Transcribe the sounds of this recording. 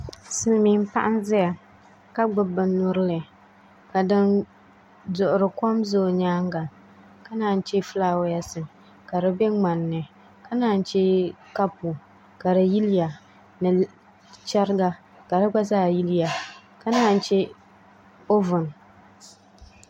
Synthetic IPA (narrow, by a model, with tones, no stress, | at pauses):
sɨ˨lmi˨˦m̩˦pa̰˦ʔa˦nzɪ˦ja˨ | ka˦ɡ͡bʊ˦bɨ˨nʊ˦ɾɨ˦lɨ˨ | ka˨dɨ˦n | dʊ˨ʔʊ˨ɾɨ˨ko˦mzoː˦˨ɲaː˦ŋɡa˨ | ka˦naː˨˦˨n̩˦t͡ʃɛ˦flaː˦˨wja˦sɨ˨m | ka˨dɨ˦be˦ŋ͡ma˨nːɨ˨ | ka˦naː˦˨n̩˦t͡ʃɛ˦ka˦pu˨ | ka˨ɾɨ˨ji˦lja˨ | nɨ˨ | t͡ʃa˦ɾɪ˦ɡa˦ | ka˨dɨ˦ɡ͡ba˦zaː˦˨ji˦lɪ˦ja˨ | ka˦naː˦n̩˦t͡ʃɛ˦ | o˦vʊ˨n